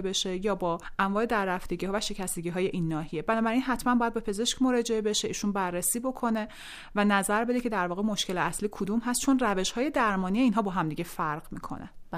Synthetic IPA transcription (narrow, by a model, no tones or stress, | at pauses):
be̞ʃe̞jɒːbɒːʔæɱvɒːe̞d̪æɾːæft̪eɟiːhɒːvæʃe̞cʰæst̪eɟiːɦɒːje̞ʔinːɒːhijebænɔːbæɾinɦæt̪ʰmænmbɒjæd̪bepʰe̞ze̞ʃcmoɾɒːd͡ʒeebe̞ʃe̞ʔiːʃunbærːesiːbo̞kʰo̞ne̞ | vænæzæɾbe̞d̪ecʰe̞d̪æɾvɒːɣemoʃcʰe̞leæsliːkʰod̪umɦæst̪̚t͡ʃʰo̞nræve̞ʃhɒːje̞d̪æɾmɒːnijeiːnɦɒːbɒːɦæmd̪iːɟe̞fæɾɢmḭːkʰo̰nḛ